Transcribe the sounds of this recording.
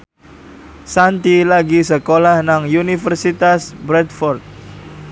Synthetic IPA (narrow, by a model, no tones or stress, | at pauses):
sant̪ilaɡisəkolahnaŋjunifərsit̪asbɾɛt̪fɔrt̪̚